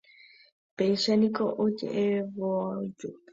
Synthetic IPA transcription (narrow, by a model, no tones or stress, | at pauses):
peiʃanĩkoʔod͡ʒḛʔeʋoad͡ʒu